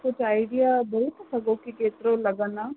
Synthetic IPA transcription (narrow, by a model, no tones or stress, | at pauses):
kʊt͡ʃʰaːɪɖijabɐɾit̪ʰsɐɡokikeːt̪ɾolɐɡəna